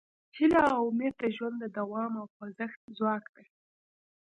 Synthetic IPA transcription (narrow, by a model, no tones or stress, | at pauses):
hɪlaawʊmed̪̚d̪əʒwand̪d̪əd̪awɑmawpazəxt̪̚zwɑkd̪a